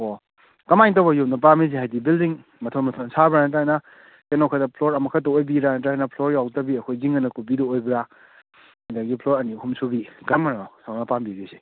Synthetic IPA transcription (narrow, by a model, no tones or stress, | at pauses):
o | kɐmajnt̬owbɐjup̚nɐp̬amiziɦajdibildiŋ | mɐtʰɔnmɐtʰonsabɾanɐt̬ana | kenɔkʰadɐpʰloɾɐmɐkʰat̬ɔojbiɾanɐtanɐpʰloɾjawtɐbiɐkʰojziŋɐnɐkubidɐojbiɾa | ajdaɡipʰloɾɐnihumsubiɡɐɾmananosawnɐpambiɡise